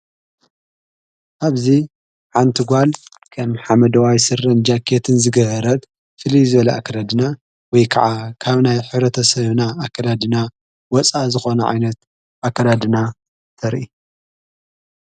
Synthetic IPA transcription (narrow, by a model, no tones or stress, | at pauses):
ʔaβzi | ħant̪ʰɨɡʷal | kʰɐmħamɐd̪ɐwajsɨrɐnd͡ʒakʰːet̪ʰɨnzɨɡɐhɐɾɐt̪ | fɨlizɨβɐlɐʔa̰kʰːɐɾad̪ɨna | wɔjkʰɐʕakʰaβnajħɨβɾɐt̪ʰɐsɐβnaakʰːɐlad̪ɨna | wɔt͡sʼazɨxo̞nɐʕa̰jnɐt̪ | ʔakːɐlad̪ɨna | t̪ʰɐɾʔi